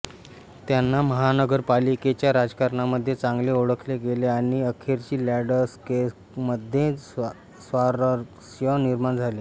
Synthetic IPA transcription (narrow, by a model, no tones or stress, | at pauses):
t̪janːaməɦanəɡəɾpaliket͡ɕjaɾad͡zkaɾɳaməd̪ʱːjet͡saŋɡleoɽəkʰleɡeleaɽ̃iəkʰeɾt͡ɕiːlaɽəske | məd̪ʱːje | sʋaɾ | sjəniɾmaɳd͡zʱaliː